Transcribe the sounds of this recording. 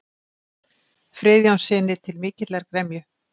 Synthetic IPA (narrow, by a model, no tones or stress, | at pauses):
fɾɪːðjawnsɪːnɪt̪ʰɪlmɪːcɪlɛɾkɾɛmjʏ